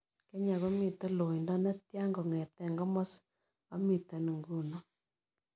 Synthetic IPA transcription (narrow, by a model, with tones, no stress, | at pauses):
kɛ˦ɲa˨ɣo˦mi˨ta˦lo˨i˨ndɔ˦na˦tja˦ŋɡɔ˨ŋɛ˨tɛ˦˨ŋɡɔ˦mɔ˦s | a˦mi˨ta˨nu˨ŋɡu˦nɔ˦